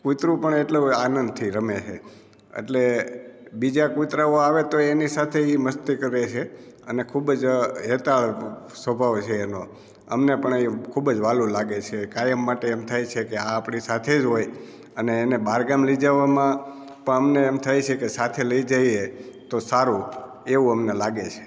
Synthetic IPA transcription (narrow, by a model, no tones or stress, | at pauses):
kut̪ɾũpəɳeʈluanənd̪̚t̪ʰiɾəmet͡ʃʰḛ | ḛʈle | bid͡ʒakut̪ɾaoaʋet̪oenisat̪ʰeiməst̪ikəɾet͡ʃʰe | ənekʰubd͡ʒɦet̪aɭsəbʱaʋt͡ʃʰeːno | ə̰mnepəɳekʰubd͡ʒʋalũlaɡet͡ʃʰekajəmːaʈeemt̪ʰajt͡ʃʰekeãːpɳisat̪ʰed͡ʒɦoj | əneːnebaɾɡamlid͡ʒaʋamã | pəɳəmneemt̪ʰajt͡ʃʰekesat̪ʰeləid͡ʒajet̪osaɾũ | eʋũəmnelaɡet͡ʃʰe̥